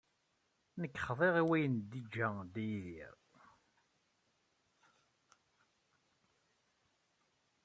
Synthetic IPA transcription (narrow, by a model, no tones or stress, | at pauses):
nəkːχðˤeʁiwæjənd̪id͡ʒːæd̪æjðḭɾ